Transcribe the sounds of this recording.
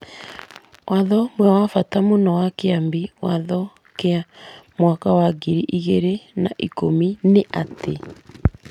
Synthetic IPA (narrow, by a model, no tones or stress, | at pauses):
wʔaðɔmwɛwafatamonɔwakeambiwaðɔ | keamwakawaɡiɾiʔiɣeɾenaʔikomineʔatʰḛ